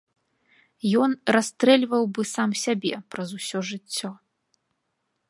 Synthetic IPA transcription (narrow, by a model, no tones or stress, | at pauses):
jɔnrast̪ɾɛlʲvɐwbɨsamsʲabʲɛpɾɐzusʲɔʐɨt͡sʲːɔ